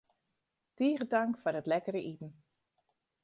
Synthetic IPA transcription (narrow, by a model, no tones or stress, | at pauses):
tiːɣədaŋkfʊrətlɛkəɾəʔitn̩